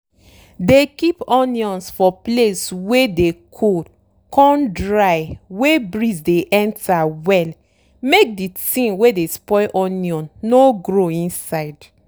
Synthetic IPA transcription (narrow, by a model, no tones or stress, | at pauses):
dekipɔnjɔ̃nsfɔpleswedekʰo | kʰɔ̃ndɹaɪwebɹisdeʔɛ̃ntawɛl | mek̚ditĩnwedespɔɪlʔɔniɔ̃nːoɡɹoĩnsaɪd